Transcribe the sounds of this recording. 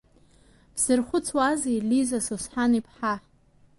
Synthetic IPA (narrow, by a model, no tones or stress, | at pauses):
b̥z̥ɨrχʷʊt͡sʰwazelizasosħanipʰħa